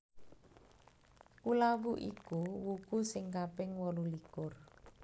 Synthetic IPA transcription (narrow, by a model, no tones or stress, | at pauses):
kulawuʔikuwuɡ̥usɪŋkapɪŋwɔlulikʊr